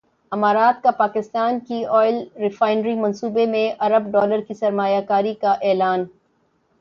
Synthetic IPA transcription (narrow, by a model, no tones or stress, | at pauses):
ɐmaːɾaːt̪̚kapaːkɪst̪aːnkiɔːɪlɾɪfaːɪnɾimɐ̃nsuːbemẽʔɐɾəb̚ɖɔːləɾkisɐɾmaːjakaːɾikaʔɛːlaːn